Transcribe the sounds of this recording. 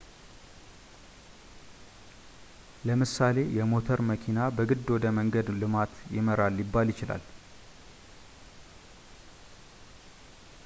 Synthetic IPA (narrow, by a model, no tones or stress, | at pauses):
ləmɨsale̞jɛmo̞t̪ʰəɾməkʰinabəɡɨd̪wɔd̪əməŋɡəd̪lɨmat̪jɪ̰məɾalːjɪbːaljɪt͡ʃɪla̰l